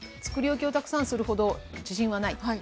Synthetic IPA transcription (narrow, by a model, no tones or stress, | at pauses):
t͡sɨ̥kɯ̟ɾʲiokʲio̞t̪akɯ̥sãɰ̃sɨɾɯ̟ho̞d̪o̞d͡ʑiɕĩɰ̃anai